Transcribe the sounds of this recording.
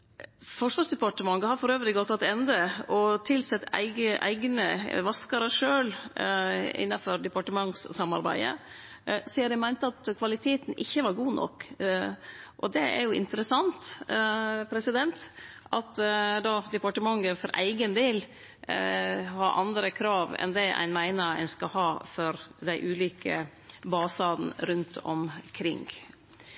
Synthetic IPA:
fɔʂʋɑʂd̪ɛpɑʈəmɑŋɡəhɑɾfɔɾøːʋɾɪɡɔt̪ʰːɑt̪ːɛnd̪əʔɔt̪ʰɪlsɛt̪ːæ̰ɪɡəʔæ̰ɪɡnə̰ʋɑskɑɾəʂøːl | ɪ̰nːɑfɔɾd̪ɛpɑʈəmɑŋssɑmɑ̰ɾbæ̰ɪə̰ | siːɑɾd̪æmæɪnt̪əɑt̪kʰʋɑlɪt̪ʰeːt̪n̩ʔɪçːəʋɑɾɡuːnʔɔ̰kː | ʔɔd̪ɛʔɛ̰ɾjʊʔɪ̰nt̪əɾəsɑnt̪ | pʰɾɛsɪd̪ɛnt̪ʔʔɑt̪d̪ɑd̪ɛpɑʈəmɑŋːəfɔɾʔæ̰ɪɡənd̪eːl | hɑɾʔɑ̰nd̪ɾəkʰɾɑːʋɛ̰nd̪ɛæ̰ɪnmæɪnəɾæ̰ɪnskɑhɑːfɔɾd̪æɪʔʉːliːkʰə̰ | bɑːsɑːd̪n̩ɾʉnt̪ʰɔ̰mkʰɾɪ̰ŋ

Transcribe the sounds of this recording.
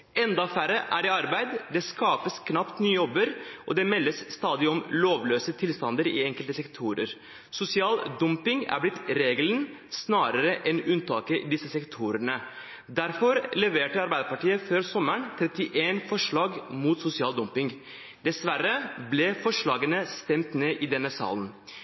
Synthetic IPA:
ɛnd̪ɑfæɾəʔæ̰ɖɛɑɾbæɪd̪d̪ɛskɑːpəskʰnɑpt̪nyːəjɔbːəɾʔɔd̪ɛmɛlːəsːt̪ɑːd̪ɪɔmloːʋløːsət̪ʰɪlst̪ɑnd̪əɾḭɛŋkəlt̪əsɛkt̪ʰuːɾə̰ɾ | sʊsɪɑːld̪ɔmpɪŋæ̰ɾblɪt̪ɾeːɡələn | snɑːɾəɾəʔɛnʉnt̪ʰɑːkəd̪ɪsəsɛkt̪ʰuːɾəɳə | d̪æɾfɔɾlɛʋeːʈəɑɾbæɪd̪əɾpɑʈiːəføːɾsɔməɳt̪ʰɾɛt̪ɪʔeːnfɔʂɭɑːɡmuːt̪sʊsɪɑːld̪ɔmpɪŋ | d̪ɛsʋæɾəblɛfɔʂɭɑːɡənəst̪ɛmt̪neːʔɪd̪ɛnːəsɑ̰ːlən

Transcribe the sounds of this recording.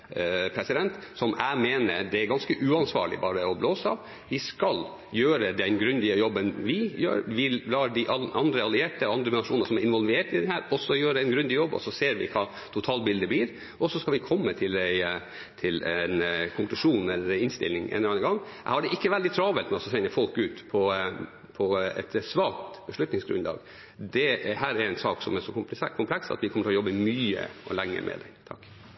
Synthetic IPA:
pʰɾɛsɪd̪ɛnt̪sɔmæ̰ɪmeːnə̰ɾd̪ɛæɾɡɑnskəʔʉːɑnsʋɑ̰ːɭɪ̰bɑːɾəɔbloːsəɑ̰ʋ | ʋɪskɑl | jøːɾəd̪ɛnɡɾʉnd̪ɪəjɔbːənʋɪjø̰ːɾʋɪlɑːɾd̪ɪʔɑɑnd̪ɾəɑlɪeːʈəɑnd̪ɾəmnɑʂuːnəsɔmæɾɪnʋɔlʋeːʈɪd̪ɛnhæːɾɔsːɔjøːɾəæɪnɡɾʉnd̪ɪjɔbːɔ̰sɔseːɾʋɪ̰kʰɑː | t̪ʰʊt̪ʰɑːlbɪld̪əbliːɾ | ʔɔsɔskɑlʋɪkʰɔmːət̪ʰɪlæɪ | t̪ʰɪlɛnkʰʊŋklʉʂuːnɛlːəɾɪnst̪ɪ̰lnɪŋʔḛːnɔɑnːəɡɑŋːʔæɪhɑɖɛʔɪkːəʋɛld̪ɪt̪ʰɾɑːʋɛlt̪mɛɔsɔsɛnəfɔlkʉːt̪pʰɔ | pʰɔɛ̰t̪sʋɑːkt̪bəʂɭʉt̪nɪŋsɡɾʉ̰nlɑ̰ːɡ | d̪ɛhæːɾɛɾæɪnsɑːksɔ̰mæʂɔkʰʊmplɛksɑ̰t̪ʋɪkʰɔmːəʈʰlɔjɔbːəmyːə̰ɔ̰læŋːə̰mʔɛ̰d̪ɛ̰t̪ʰɑ̰kː

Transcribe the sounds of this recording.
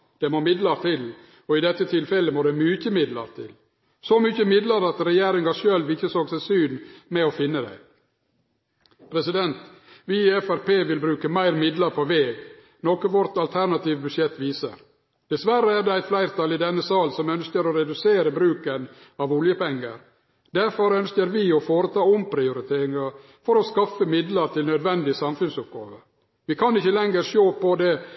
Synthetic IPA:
d̪̥ɛmoːmɪd̪ləɾt̪ʰɪl | ɔɪd̪ɛt̪ːət̪ʰɪlfɛləmoːd̪ɛmyːçəmɪd̪lə̰ɾt̪ʰɪl | sɔmʏçəmɪd̪ləɾɑt̪ɾɛjeːɾɪŋɑʂøːlʋɪçːəsøːɡsæɪsyːnmɛɔfɪnːəd̪æ̰ɪ | pʰɾɛsɪd̪ɛnt̪ʋɪɛfæɾpeːʋɪlbɾʉːkəmæɪɾmɪd̪ləɾpʰɔʋeːɡ | nɔkəʋɔɾt̪ɑlt̪ʰæɾnɑt̪iːʋbʉʂjɛt̪ːʋiːsə̰ɾ | d̪̥ɛsʋæɾəæɾd̪ɛæɪt̪flæɪɾt̪ʰɑlɪd̪ɛnːəsɑːlsɔmœnskəɾɔɾɛd̪ʉseːɾəbɾʉːkən | ɑʋʊljəpɛŋːə̰ɾ | d̪æɾfɔɾœnskəɾʋɪɔfoːɾət̪ʰɑːɔmpʰɾɪʊɾɪt̪ʰeːɾɪŋɑɾ | fɔɾɔskɑfəmɪd̪ləɾt̪ʰɪlnœd̪ʋɛnd̪ɪsɑmfʉnsʊp̚ɡɑ̰ːʋə | ʋɪkʰɑnɪçəlɛŋəɾʃoːpɔd̪ɛ

